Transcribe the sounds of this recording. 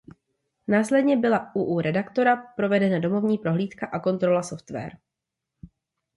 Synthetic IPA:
naːslɛdɲɛbɪlaʔuʔuːɾɛdakt̪o̞ɾapɾo̞vɛdɛnado̞mo̞vɲiːpɾo̞ɦliːt̪kaʔako̞nt̪ɾo̞laso̞ft̪vɛ̰ːɾ

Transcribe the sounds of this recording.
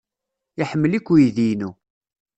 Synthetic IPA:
iħəmːəlikʷːujiðinu

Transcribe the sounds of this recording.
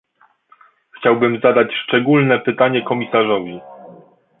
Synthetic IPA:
xt͡ɕawbɘmzad̪at͡ɕʂt͡ʂɛɡulnɛpɘt̪aɲɛkɔmʲisaʐɔvʲi

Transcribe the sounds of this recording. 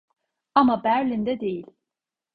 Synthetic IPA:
amabæɾlʲind̪ɛd̪e̞jilʲ

